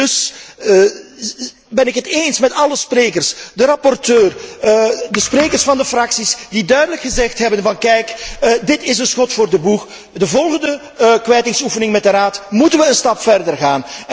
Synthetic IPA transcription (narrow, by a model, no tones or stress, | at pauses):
dɵs | bɛnɪkɦətensmɛtɑləspreːkərsdəɾɑpɔrtøːr | dəspreːkərsfɑndəfrɑksisdidœɥdələkχəzɛxtɦɛbənvɑnkɛjkdɪtɪsənsxɔtfʊːrdəbux | dəvɔlˠɣəndə | kʋɛjtɪŋsufənɪŋmɛt̚dəɾaːtmutənʋəənstɑpfɛrdərɣaːn